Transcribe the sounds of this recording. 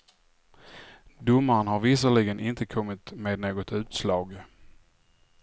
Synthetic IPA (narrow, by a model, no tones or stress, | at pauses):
d̪ʊmːaɾənɦaɾvɪsəɭɪɡənʔɪnt̪əkʰɔmːɪt̪meːd̪noːɡɔt̪ʉ̟ːt̪slɑːɡ